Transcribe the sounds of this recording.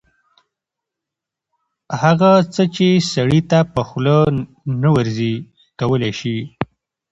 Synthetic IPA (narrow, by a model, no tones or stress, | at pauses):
haɣat͡sət͡ʃesaɽit̪apəxlə | nawəɾzi | kawəleʃi